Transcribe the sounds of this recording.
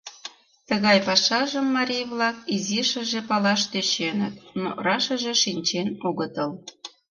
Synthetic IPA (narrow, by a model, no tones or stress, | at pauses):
t̪əɣɑjpɑʃɑʒəmːɑɾʲijβlɑkiziʃə̆ʒepɑlɑʃt̪et͡ɕenət̪no̰rɑʃə̆ʒeʃinʲt͡ɕenuɣət̪əl